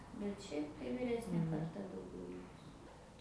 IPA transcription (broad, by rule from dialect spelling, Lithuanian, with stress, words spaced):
bʲɛt ˈʃʲɛɪp tɐɪ ʋʲɪˈrʲæːsʲnʲeː kɐrˈtɐ dɐʊˈɡʲɛʊ ˈlʲɪkʊs